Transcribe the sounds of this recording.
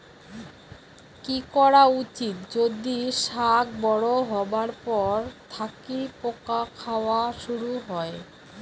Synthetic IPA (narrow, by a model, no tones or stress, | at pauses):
kikɔɽaut͡ɕit̪d͡ʑod̪iʃak̚bɔɽoɦɔbaɾpɔɾt̪ʰakipokakʰaoaʃuɾuɦɔe